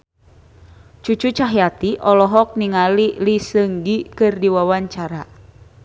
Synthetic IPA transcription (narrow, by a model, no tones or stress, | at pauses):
t͡ʃut͡ʃut͡ʃaɦjat̪iʔɔlɔɦɔk̚niŋalilisəŋɡikɨrdiwawaɲt͡ʃaɾa